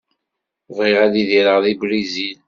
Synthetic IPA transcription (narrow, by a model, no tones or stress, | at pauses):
vʁɪʁæðiðiɾəʁðibɾizil